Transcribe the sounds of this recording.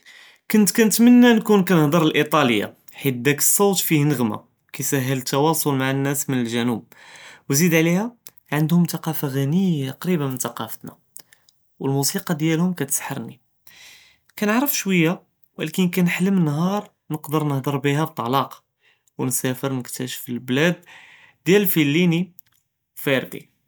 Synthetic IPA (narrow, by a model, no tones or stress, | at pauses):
kʊnt̪kænt̪mənːænkunkænəhd̪əɾˤəlʔit̪ˤɑləjːa̰ | ħit̪̚d̪ækə̥sˤːowt̪fihnəɣma̰ | kæsæɦːələt̪ːɑwɑsˤolmaʕanːæsmənəlʒænub̚ | wzid̪ʕlihæ | ʕənd̪hʊmt̪ɑqɑfaɣænəjaqɾibənmənt̪ɑqɑfət̪næ | wəlmusiqɑd̪jælhʊmkæt̪sħɑɾˤni | kænəʕɾəfʃwəjːa | wʔæ̰lækinkænħləmənːɦɑɾˤ | nəqd̪əɾnəhd̪əɾˤbiɦæb̚t̪ˤːɑlɑq | wnsæfəɾnəkt̪æʃəfəlblæd̪̚ | d̪jælfilːini | feɾd̪ḭ